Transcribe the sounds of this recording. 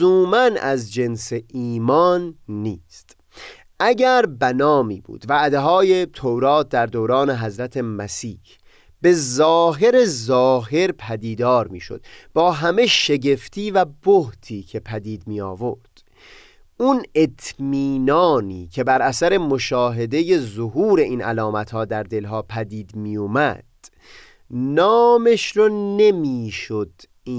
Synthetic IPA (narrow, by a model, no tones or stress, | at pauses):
uːmænʔæzd͡ʒe̞nseiːmɒːnːiːst̪ | ʔæɟæɾbænɒːmḭːbṵːd̪̥væʔd̪eɦɒːje̞t̪ʰowɾɒːt̪̚d̪æɾd̪owɾɒːne̞ɦæzɾæt̪ʰe̞mæsiːh | b̥e̞zɒːɦe̞ɾezɒːɦe̞ɾpʰæd̪iːd̪ɒːɾmiːʃo̞̰d̪̥bɒːɦæme̞ʃe̞ɟe̞ft̪ʰiːvæboht̪ʰiːcʰe̞pʰæd̪iːd̪miːjɒ̰ːvoɾd̪̥ | une̞t̪ʰmiːnɒːniːcʰe̞bæɾʔæsæɾe̞mo̞ʃɒːɦe̞d̪e̞je̞zoɦuːɾe̞ʔiːnʔæ̰lɒːmæt̪hɒːd̪æɾd̪e̞lɦɒːpʰæd̪iːd̪miːjumæ̰d̪̥ | nɒːmeʃɾɔnemiːʃod̪̥